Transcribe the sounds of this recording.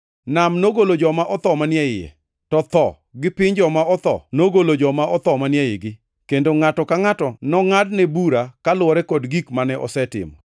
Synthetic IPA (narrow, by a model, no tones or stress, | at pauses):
namnoɡolod͡ʒɔmaʔɔt̪ɔmanjɛɪjɛ̰ | tɔt̪ɔ̰ | ɡɪpɪɲd͡ʒɔmaɔt̪ɔ̰noɡolod͡ʒɔmaɔt̪ɔmanjɛjɪɡɪ | kendoŋatɔkaŋatɔnɔŋadnɛbuɾakalʊɔɾɛkɔdɡikmanɛʔɔ̰sɛtɪ̰mɔ̰